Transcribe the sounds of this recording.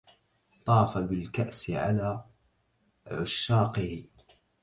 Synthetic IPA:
t̪ˤɑːfabɪlkaʔsɪʕa̰laː | ʕʊʃːaːqɪh

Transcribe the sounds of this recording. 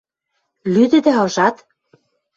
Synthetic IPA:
lyd̪ɘ̆d̪æɤ̆ʒɑt̪

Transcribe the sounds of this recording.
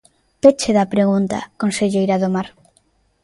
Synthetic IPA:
pet͡ʃeðɐpɾeɣunt̪ɐ̰konseʎejɾaðomaɾ

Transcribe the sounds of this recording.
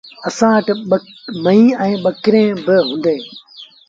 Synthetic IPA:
ɐsãːʋəʈɓmɐ̃ĩːɛ̃ːɓɐkɪɾẽːbɪɦʊ̃ːnd̪eː

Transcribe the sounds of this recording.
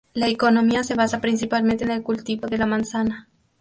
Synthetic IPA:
laekono̞miase̞β̞asapɾins̬ipalmẽnt̪eːne̞lkult̪iβoðe̞lamãnsana

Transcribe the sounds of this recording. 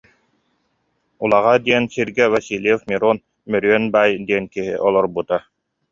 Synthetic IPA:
ulˠaʁad̪iɛnsiɾɡɛvasilʲjɛfmiɾon | mœɾyœnbaːjd̪iɛnkiɦḭʔɔlˠɔɾbut̪a

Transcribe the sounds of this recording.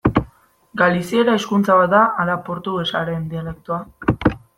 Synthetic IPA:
ɡalisie̞ɾaeskunt͡saβat̪̚d̪aʔalapo̞ɾt̪uɣesaɾe̞nd̪iale̞k̚t̪ua

